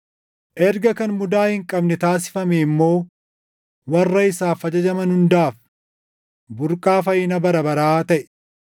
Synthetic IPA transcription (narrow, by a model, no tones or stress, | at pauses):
ʔɛɾɡɐkɐnmʊd̪aːhɪŋkʼɐbnɛt̪aːs̬ɪ̥fɐmɛːmːo̞ː | wɐrːɐɪsaːfɐd͡ʒɐd͡ʒɐmɐnhʊnd̪aːf | bʊɾkʼaːfɐjɪnɐbɐɾɐbɐɾaːt̪ɐʔɛ̥